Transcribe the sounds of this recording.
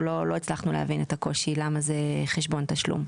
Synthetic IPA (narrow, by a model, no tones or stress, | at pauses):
lolo̞it͡slaχnulḛa̰vinet̪ako̞ʃilamazeχeʃbo̞nt̪aʃlṵm